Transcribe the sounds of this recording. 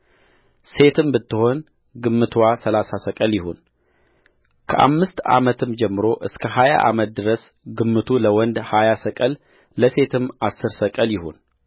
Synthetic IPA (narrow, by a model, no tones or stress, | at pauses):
se̞t̪ʰɨmbɨt̪ːɨho̞n | ɡɨmːɨt̪ʰwasəlasasəkʼəljɪhon | kʰəʔa̰mːɨst̪a̰mət̪ʰɨmd͡ʒɛmːɨɾo̞ʔɨskʰəɦaja̰ʔa̰mət̪̚d̪ɨɾəs | ɡɨmːɨt̪ʰuləwɔnd̪hajasəkʼəlː | əse̞t̪ʰɨmːasːɨɾsəkʼəljɪhon